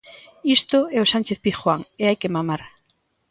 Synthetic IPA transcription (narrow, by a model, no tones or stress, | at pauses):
ist̪ʊɛosanʲt͡ʃeθpiθxwaŋeajkemamaɾ